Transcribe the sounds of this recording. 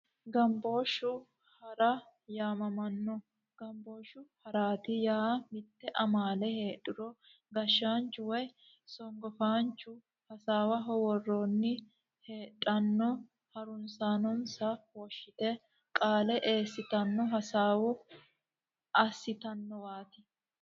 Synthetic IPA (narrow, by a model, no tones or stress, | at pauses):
ɡɐmbo̞ːʃːʊ | hɐɾɐ | jaːmɐmɐnːɔ | ɡ̥ɐmbo̞ːʃːʊhɐɾaːt̪ɪjaːmɪt̪ːɛʔɐmaːlɛheːᶑɪɾɔ | ɡɐʃːaːnt͡ʃːʊwɔj | sɔŋɡɔfaːnt͡ʃːʊ | hɐsaːwɐɦɔwɔrːoːnːɪ | he̞ːᶑʼɐnːɔ | hɐɾʊnsaːnɔnsɐhɔʃːɪt̪ɛ | kʼaːlɛʔe̞ːsːɪt̪ɐnːɔɦɐsaːwʊ | ɐsːɪt̪ɐnːɔwaːt̪ɪ